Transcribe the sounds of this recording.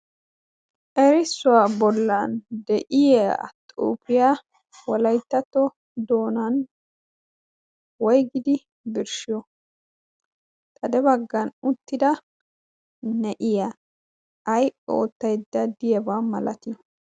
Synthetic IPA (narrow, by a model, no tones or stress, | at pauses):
ʔɛɾɪsːʊwaːbɔlːɐnd̪ɛʔɪjɛ̰t̪ʼṵːpɪjaː | wɔlɐjt̪ːɐt̪ːɔ | d̪o̞ːnɐn | wɔjɡɪd̪ɪ | bɪɾʃɪjɔ | t̪ʼɐd̪ɛbɐɡːɐnʊt̪ːɪd̪ɐ | nɛʔɪjaː | jʔʼɛoːt̪ːɐjd̪ːɐd̪ɪjɛbaːmɐlɐt̪ɪ